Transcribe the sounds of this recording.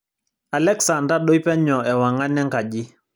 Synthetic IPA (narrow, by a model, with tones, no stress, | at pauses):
a˨lɛ˦ksa˨nda˦ɗo˦jpɛ˦ɲɔ˨ɛ˨wa˨ŋa˦nɛ˦ŋka˨ɟi˦